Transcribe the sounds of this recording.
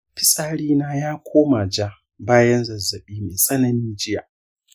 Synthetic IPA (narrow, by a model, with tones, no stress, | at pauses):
ɸɪ˦saː˦ɽiː˦naː˦jaː˦kʷʰoː˦ma˨d͡ʒa˦ | baː˦jɐ˦nzɐ˨zɐ˨ɓiː˦meː˨sa˦nɐ˦niː˦d͡ʒɪ˦jaː˨